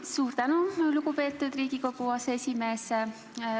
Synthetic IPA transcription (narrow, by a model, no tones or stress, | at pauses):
suːɾt̪ænulukupe̞ːt̪ːˑud̪̥riːɡ̥iko̞kuɑseesʲime̞ːs